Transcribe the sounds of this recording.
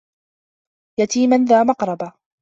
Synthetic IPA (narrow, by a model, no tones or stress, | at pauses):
jat̪iːmanðaːmɑqɾˤɑba